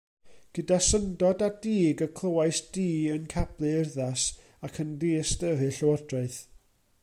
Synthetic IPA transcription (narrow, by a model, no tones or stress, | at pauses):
ɡ̥ədasəndɔdadiːɡəkʰl̥ˠəwajsd̥iːənkʰab̥lˠɨɪrðas | akʰəndiːstəɦɨɬəwɔrdraɨθ